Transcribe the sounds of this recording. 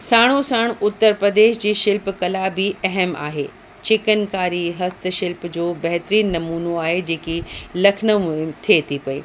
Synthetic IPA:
saːɽ̃osaːɽ̃ʊt̪ːəɾpɾɐd̪eːʃd͡ʑiːʃɪlpkɐlaːbiɐɦəma̰ːɦeː | t͡ɕɪkənkaːɾiɦɐst̪̆ʃɪlpd͡ʑoːbɐɦt̪ɾiːnːɐmuːnoaːɦed͡ʑeːkilɐkʰnə̆mʊɦɪmt̪ʰiet̪ʰipɐḭː

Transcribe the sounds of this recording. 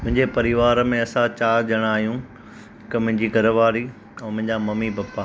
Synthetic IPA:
mʊ̃ɦɪ̃ɲd͡ʑepɐɾɪʋaːɾmẽɐsãt͡ɕaːʄɐɽ̃aːɦijũ | ɦɪkmʊ̃ɦɪ̃ɲd͡ʑiːɡʱɐɾəʋaːɾi | ɛ̃ːmʊ̃ɦɪ̃ɲd͡ʑamɐmibɐpːa

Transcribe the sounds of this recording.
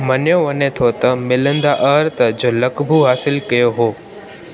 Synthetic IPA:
mɐnjoʋɐnet̪ʰot̪ɐmɪlə̃nd̪aʔɐɾt̪d͡ʑoːlɐkbʱuɦaːsɪlkɐjoɦoː

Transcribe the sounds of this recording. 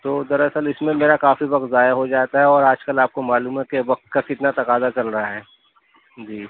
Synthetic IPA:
t̪oːd̪ɐɾɐsəlɪsmẽmeːɾakaːfiʋɐk̚t̪zaːjaɦod͡ʒaːt̪aɦɛɔːɾaːd͡ʒkɐlaːp̚komaːluːmɦɛkeʋɐk̚t̪̚kakɪt̪nat̪ɐqaːzat͡ʃɐlɾɐɦaɦɛː | d͡ʒiː

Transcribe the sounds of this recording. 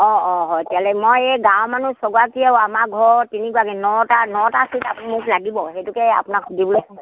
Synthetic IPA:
ɔ̃ɔ̃ɦɔjtialɛmojeɡawmanusɔɡakiɛwamaɡʱɔɹtinikuakɛnɔtanɔtasitapimʊklaɡibɔɦetukɛa̰pʊnakʰudʱibɔlɔj

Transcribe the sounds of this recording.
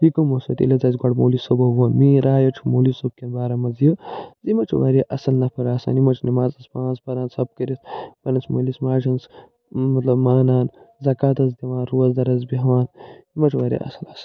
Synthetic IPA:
ikɐmosɐ̰t̪ḭlɐzɐz̬ɡɐɽmoːlisobɐʋoːnmiːɾaːjɐt͡ʃʰumoːlisob̚kʲɐnbaːɾɐmɐzjəzimɐt͡ʃʰuʋaːɾeʔɐsɐlnɐpʰɐɾaːsa̰ːnimɐt͡ʃʰnɐmaːzɐspãːnzbɐɾaːnsɐb̚kɐɾisbɐnɐsmoːlismaːt͡ʃʰɐns | mɐt̪lɐbmaːnaːnzɐkaːt̪ɐzd̪iʋaːnɾuɐzd̪ɐɾɐzbiɦʋaːnimɐt͡ʃʰʋaːɾʲḛʔɐ̰sɐlɐsɐ̥l

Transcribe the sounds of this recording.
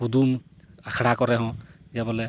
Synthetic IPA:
ud̪um | akʰɽakɔɾɛɦɔ̃d͡ʒɛbɔlɛ

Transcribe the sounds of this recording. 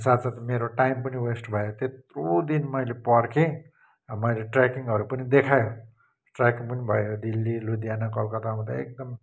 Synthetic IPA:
sat̪sat̪meɾoʈajmpʌniwesʈbʱʌjot̪et̪rod̪inmʌjlepʌrkʰẽ | ʌmʌjleʈrakiŋʌɾupʌnid̪ekʰajo | ʈrakiŋpʌnibʱʌjod̪ilːilud̪ijanʌkʌlkʌt̪aũd̪a̰ḛk̚d̪ʌm

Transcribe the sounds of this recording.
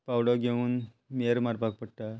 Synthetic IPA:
pawɽɔɡʱeuːn | miəɾmaɾpak̚pəɽʈa

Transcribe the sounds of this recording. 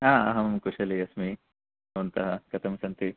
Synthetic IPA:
aːɐ̰ɦɐmɐmkuʂɐliɐsmi | ɐɐnt̪ɐɦɐkɐt̪ʰɐmɐsɐnt̪i

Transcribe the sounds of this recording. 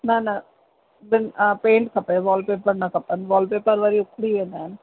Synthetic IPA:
nãːnã | d̪ɛnpeːɳʈkɐpːeʋaːlpeːpɐɾnãkɐpːɐnʋaːlpeːpːaɾʋaɾiʊkːɽienaːn

